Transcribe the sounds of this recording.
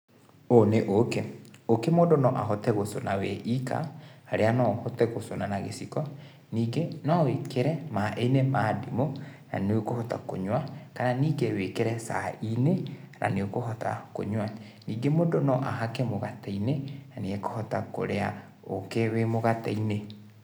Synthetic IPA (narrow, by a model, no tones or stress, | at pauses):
oneʔokeokemodonɔʔaɦɔtɛɣosonawɛʔika̰ːɾeanɔhɔtɛɣosonanaɣḛsikɔ | niːɡenɔwekeɾɛmaʔenemaːdimona̰neokohɔta̰ko̰ɲwakananiːɡewekeɾɛsa̰ine | na̰neokohɔta̰ko̰ɲwa | niːɡemondonɔʔaɦakɛmoɣatainenaneekohɔtako̰ɾea | okewemoɣata̰ine